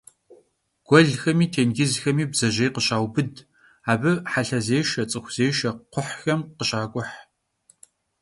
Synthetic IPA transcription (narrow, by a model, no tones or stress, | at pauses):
ɡ̥ʷɔɮxɐmiːtʰeːnɡʲɪzxɐmiːbz̥ɐʒejqəɕaːwbɨd | aːbɨħaɬɐzeːʃɐt͡sʼɨxʷz̥eːʃɐqʷʰʊħxɐmqəɕʼaːkʷʼʊħ